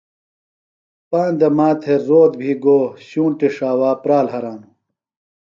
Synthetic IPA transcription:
paːnd̪ɐmaːt̪ʰeɾːoːd̪̚bʱiːɡoːɕũːnʈiʂaːwaːpɾaːlɦɐɾaːnu

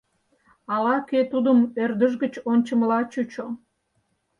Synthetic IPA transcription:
ɑlɑket̪ud̪əmerd̪əʒɣət͡ɕonʲt͡ɕəmlɑt͡ɕut͡ɕo

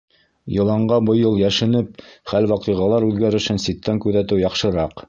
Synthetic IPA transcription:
jɤ̆lˠɑɴɢɑbɤ̆jɤlˠjæʃɘ̆nɘp̚χælwɑqiʁɑlˠɑɾʉðɡæɾɘ̆ʃɘnsit̪ːæŋkʉðæt̪ɘwjɑqʃɤ̆ɾɑq

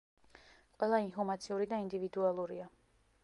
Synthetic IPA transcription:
qʼwɛlˠainpɔɾmat̪sʰiuɾid̪aind̪ivid̪ualˠuɾia

